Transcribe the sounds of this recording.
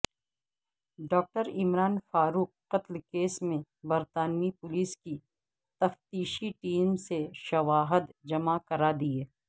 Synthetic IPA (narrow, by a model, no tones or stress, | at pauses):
ɖɔːk̚ʈəɾɪmɾaːnfaːɾuːq̚ːɐt̪lkeːsmẽbɐɾt̪aːnipʊliːski | t̪ɐft̪iːʃiʈiːmseʃɐʋaːɦəd̪d͡ʒɐmakɐɾaːd̪ieː